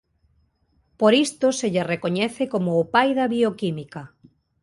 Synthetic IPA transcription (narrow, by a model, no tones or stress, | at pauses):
poɾist̪oseʎarekoɲɛθekomoːpajðɐβiokimikɐ